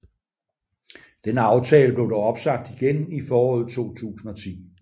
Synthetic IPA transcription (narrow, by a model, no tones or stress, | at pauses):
d̥enɑ̈ʊt͡sʰɛːləb̥le̝ʊdɒɒ̽b̥sɑ̈ɡ̥̚d̥iɡ̥enifɒːɒːð̞̩ˠt͡sʰo̝̰ːt͡sʰṵːsn̩ɒ̽t͡sʰḭː